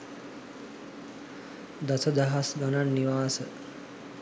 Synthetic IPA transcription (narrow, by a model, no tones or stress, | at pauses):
d̪asəd̪aɦasɡananːiʋaːsə